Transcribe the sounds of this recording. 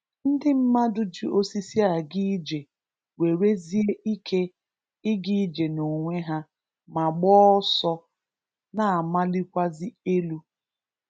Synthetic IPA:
n̩˦dɪ˦m̩˦ma˦dʊ˦d͡ʒi˦o˦si˦si˦a˨ɡi˦d͡ʒe˨ | we˨ɾe˦zi˦ʔi˦kʰe˦ | ɪ˦ɡi˦d͡ʒe˨no˨ŋʷe˦ɦa˦ | ma˨ɡ͡bɔ˦sɔ˦ | na˨a˨ma˦lɪ˦kʷa˦zi˦e˦lu˦

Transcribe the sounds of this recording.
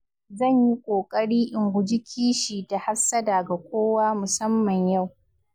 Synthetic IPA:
zɐ˦˨ɲji˦kʷʼoː˨kʼɐ˦ɽiː˦ʔɪ˨ŋɡʷʊ˨d͡ʒɪ˦kʲʰiː˦ʃiː˨ta˨ha˦ɸsɐ˦da˨ɡa˨kʷoː˦waː˦mʊ˨sɐ˦mːɐ˨ɲja˦˨w

